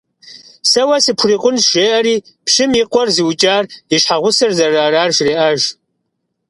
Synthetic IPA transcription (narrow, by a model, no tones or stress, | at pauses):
sɐwɐsɨpʷʰʊriːqʷʼʊnʒeːʔɐɾiː | pɕɪmjiqʷʼɔrziwt͡ʃʼaːriʃħaʁʷʊsɐrzɐraːraːrʒreːʔɐʒ